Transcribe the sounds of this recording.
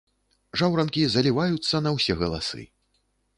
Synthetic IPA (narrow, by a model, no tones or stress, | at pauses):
ʐawɾɐnkʲizɐlʲivajut̪sːɐnɐwsʲɛɣɐlˠa̰sɨ̰